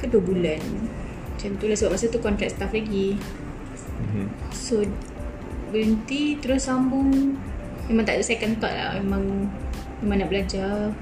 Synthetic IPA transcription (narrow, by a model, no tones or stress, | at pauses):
kəduəbulan | t͡ʃant̪ulahsəbap̚ʔmasut̪ukɔnt̪ɾɛk̚st̪aflaɡi | so | bəɾənt̪it̪əɾʊsambʊŋ | memaŋt̪aʔt̪uʔsakant̪a̰ʔla̰hmemãŋ | memaŋnaʔbəlad͡ʒa